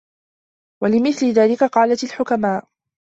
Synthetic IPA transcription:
walɪmɪθlɪðaːlɪkaqɑːlat̪alħʊkamaːʔ

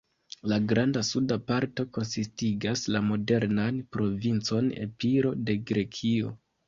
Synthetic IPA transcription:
laɡɾandasudapaɾto̞ko̞nsistiɡaslamo̞de̞ɾnanpɾo̞vint͡so̞ne̞̰piɾo̞de̞ɡɾe̞kʰio̞

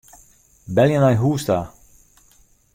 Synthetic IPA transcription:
bɛljanajɦuːsta

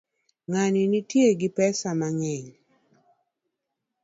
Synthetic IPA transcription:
ŋaninitjeɡɪpɛsamaŋɛɲ

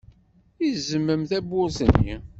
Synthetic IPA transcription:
izəmːəmθæbːʊɾsənːḭ

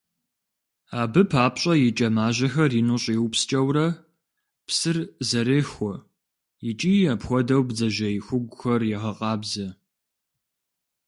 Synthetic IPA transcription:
aːbɨpʰaːpɕʼɐjɪt͡ʃʼɐmaːʑɐxɐriːnuɕʼwpst͡ʃʼɐwrɐ | psɨrzɐɾeːxʷɔ | jɪt͡ʃʼiːapxʷɔdɐwbzɐʒɐjɪxʷʊɡʷʊxɐrjɛʁɐqʼɑːbzɐ

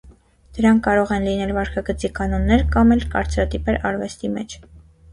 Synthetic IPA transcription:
d̪̥əɾɑŋkːɑɾɔʁɛnlinɛlvɑɾkʰɑɡət͡sikɑnɔnːɛɾkɑmɛlkɑ̰ɾt͡sɾɑt̪ipɛɾɑɾvɛst̪imɛt͡ʃʰ

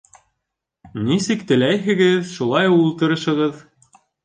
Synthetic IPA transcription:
nisɘkt̪ɘ̆læjɦɘ̆ɡɘðʃulˠɑjulˠt̪ɤ̆ɾɤ̆ʃɤ̆ʁɤð

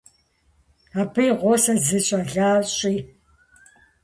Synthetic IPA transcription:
abɨjʁʷoːsɐzɨɕʼɐɮaːɕʼiː

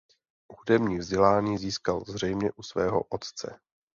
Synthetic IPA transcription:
hudɛmɲiːvzɟɛlaːɲiːziːskalzr̝ɛjmɲɛʔusvɛːɦo̞̰ʔot̪t͡sɛ̰

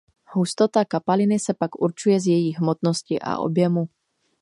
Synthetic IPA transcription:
hust̪o̞t̪akapalɪnɪsɛpakʔuɾt͡ʃujɛzjɛjiːɦmot̪noscɪʔa̰ʔo̞̰bjɛmu

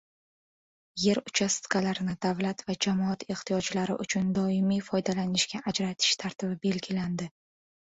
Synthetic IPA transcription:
je̞ɾʊt͡ʃʰast̪kʰalaɾɪnɪd̪̥avlat̪vad͡ʒamɒat̪ʰe̞χt̪ʰijɒd͡ʒlaɾɪ̰ʔʊt͡ʃʰʊnd̪ɒɪmijfɒjd̪alanɪʃkʲaʔad͡ʒɾat̪ʰɪ̥ʃt̪ʰaɾt̪ʰɪbɪbe̞lɡʲɪland̪ɪ

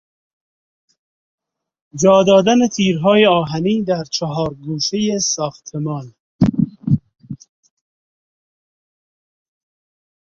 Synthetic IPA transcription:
d͡ʒɒːd̪ɒːd̪ænet̪ʰiːɾɦɒːjeɒːɦæniːd̪æɾt͡ʃʰɔɦɒːɾɡuːʃejesɒːxt̪ʰemɒːn

